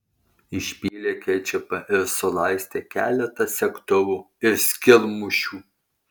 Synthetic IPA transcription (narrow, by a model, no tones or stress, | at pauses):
ɪʃʲpʲiːlʲeːkʲɛɪt͡ʃʲɛpɐʔɪɾsʊlˠɑɪsʲt̪ʲeːkʲæ̰ːlʲɛt̪ɐsʲɛkt̪ʊʋuː | ɪɾsʲkʲɪlˠmʊʃʲuː